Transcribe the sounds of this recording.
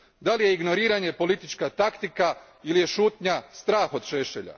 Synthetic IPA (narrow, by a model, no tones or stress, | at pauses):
d̪alije̞iɡno̞ɾiːɾaɲe̞po̞lit̪it͡ʃkat̪akt̪ika | ilije̞ʃuːt̪ɲast̪ɾaːxo̞d̪ʃeʃḛʎa̰